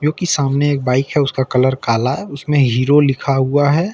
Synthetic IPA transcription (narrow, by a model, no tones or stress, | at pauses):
d͡ʒoːkisaːmneeːk̚baːɪkɦɛʊskakɐləɾkaːlaɦɛʊsmẽɦiːɾolɪkʰaɦuaɦɛ